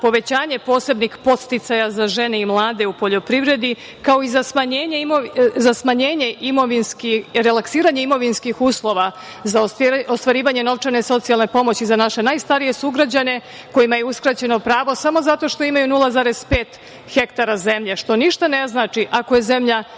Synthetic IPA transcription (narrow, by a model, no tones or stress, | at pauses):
po̞ʋe̞t͡ɕaːɲe̞po̞ːse̞bnixpo̞t̪st̪it̪sajazaʒe̞ne̞imlˠaːd̪e̞upo̞ʎo̞pɾiʋɾe̞d̪i | kao̞izasmaɲeːɲeimozasmaɲeːɲe̞ʔimo̞ʋinskiɾelaksiːɾaɲe̞imo̞ʋinskixuːslˠo̞ʋa | zaoost̪ʋaɾiːʋaɲe̞no̞ʋt͡ʂaneso̞t̪sialˠne̞po̞mo̞t͡ɕizanaʃe̞najst̪aɾije̞suɡɾad͡ʑane̞ | ko̞jimajeuskɾat͡ɕe̞no̞pɾaːʋo̞samo̞zat̪o̞ʃt̪o̞imajunulˠazaːɾe̞spe̞ːt̪ | xe̞kt̪aɾaze̞mʎe̞ʃt̪o̞niʃt̪ane̞znaːt͡ʃiʔako̞je̞ze̞mʎa